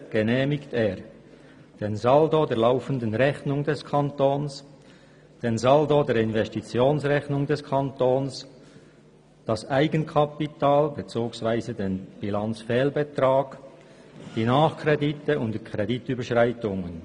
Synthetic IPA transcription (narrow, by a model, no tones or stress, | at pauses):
ɡ̥ənɛːmɪkteːʁ | d̥eːnzaldodeːɐlaʊfəndənʁɛçnʊŋdɛskʰantoːns | d̥enzaldodeːɾɪnvɛstit͡sjoːnsʁɛçnʊŋdɛskʰantoːns | d̥ɑsʔaɪɡənkʰapitaːlbet͡suːksvaɪzədeːnb̥ilant͡sfɛːlbətraːɡ̥ | d̥iːnaːχkʰreditəʊntdikʰʁ̥edityːbəʃʁaɪtʊŋən